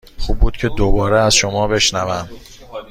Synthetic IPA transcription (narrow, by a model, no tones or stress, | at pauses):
χuːb̚ːuːd̪cʰe̞d̪obɒːɾeæzʃomɒːbe̞ʃnævæm